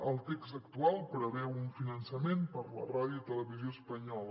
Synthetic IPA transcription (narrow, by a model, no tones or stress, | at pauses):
əlˠt̪eksəkt̪ualˠpɾəβɛwuɱfinənsəmenpəɾlə̰raðjuit̪ələβizioəspəɲɔlə